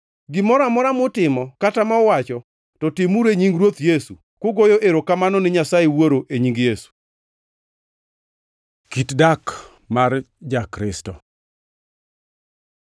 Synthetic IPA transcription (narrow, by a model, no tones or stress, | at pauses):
ɡɪmɔɾamɔɾamʊtɪmɔkatamaɔwat͡ʃɔ | tɔtɪmuɾeɲiŋɡɾwot̪jesu | koɡojoʔeɾokamanɔnɪɲasaewoɾoʔeɲiŋɡjesu̥ | kitdak | mar | d͡ʒakɾɪstɔ